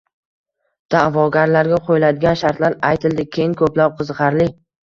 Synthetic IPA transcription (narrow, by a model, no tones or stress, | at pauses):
d̪̥avɒɡʲaɾlaɾɡʲaqʰojɪlad̪ɪɡʲanʃaɾt̪laɾajt̪ʰɪld̪ɪkʲʰejɪŋkʰɵplap̚qʰɨzʁɑɾlɪ